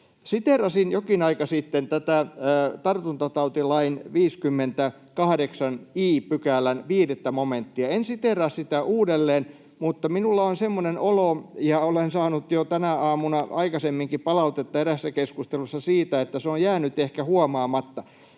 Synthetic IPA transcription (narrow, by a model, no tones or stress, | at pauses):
sit̪erɑsinjokinɑikɑsit̪ːent̪æt̪æːt̪ɑrt̪unt̪ɑt̪ɑut̪ilɑinʋiːskymːent̪æ | kɑhɑdeksɑniːpykælːˑænʋiːdet̪ːæmoment̪ːiɑensit̪erɑssit̪æʔuːdelːeːn | mut̪ːɑminulːɑonsemːonenolojɑolensɑːnut̪jot̪ænæɑːmunɑɑikɑsemːiŋkippɑlɑut̪et̪ːɑeɾæsːækeskust̪elusːɑsiːt̪æet̪ːæseojjæːnyt̪ehkæhuɔmɑːmɑt̪ːɑ